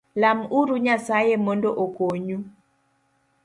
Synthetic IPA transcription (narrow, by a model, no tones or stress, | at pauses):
lamuɾuɲasajemondoʔokoɲu